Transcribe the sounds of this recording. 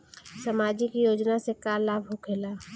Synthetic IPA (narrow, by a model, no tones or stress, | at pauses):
səmaːd͡ʒikijoːd͡ʒnasekaːɾlaːbɦokʰeːlaː